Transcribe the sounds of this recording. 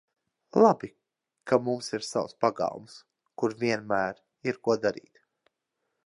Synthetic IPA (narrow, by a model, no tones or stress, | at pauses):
lˠabi | kamumsiɾsawspaɡa̰w̰ˠms | kuɾvʲiɛnmæːɾ | iɾkuɔd̪aɾḭːt̪